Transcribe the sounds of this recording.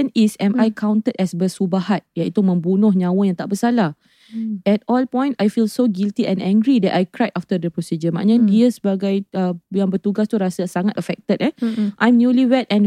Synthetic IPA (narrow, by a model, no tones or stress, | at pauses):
ənisɛmʔajkʰãwnt̪ətɛsbəsubahat̪̚jait̪umə̃mbunʊ̃hɲãwəjãŋt̪aʔbəsala | ɛt̚ɔlpɔ̃j̃nsajfilsoɡilt̪iʔɛ̃nɛ̃ŋɡɾidɛtajkɾajt̚ʔaft̪ədəpɾɔsid͡ʒəmã̰ʔɲãdiəsəbaɡajəjãŋbərt̪uɡast̪uɾasasaŋat̪əfɛk̚t̪ət̚ɛʔajmnjuliwɛt̚ɛ̃n